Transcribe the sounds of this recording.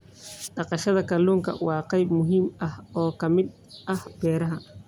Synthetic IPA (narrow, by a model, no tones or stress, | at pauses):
ɖɑqɑʃɐðɐkʰɐluːŋkʰɐ̰wɑːqɑjbmʊɦiːmɐhɔːkʰɐmɪd̪̚ | ʔɐhb̥ɛːɾɐɦɐ